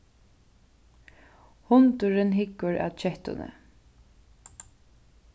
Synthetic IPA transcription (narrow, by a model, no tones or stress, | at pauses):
hʊnt̪ʊɾɪnɦɪkːʊɹa̰t͡ʃɛht̪ʊ̰nə̰